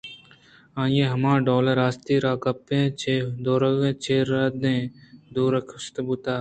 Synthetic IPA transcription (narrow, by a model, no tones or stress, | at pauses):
ãːjẽːɦɐmãːɖoːləɾaːst̪iːɾaːkɐpːẽːt͡ʃʰeːd̪oːɾəɣẽːt͡ʃʰeːɾaːd̪ẽːd̪uːɾəkʰst̪but̪aː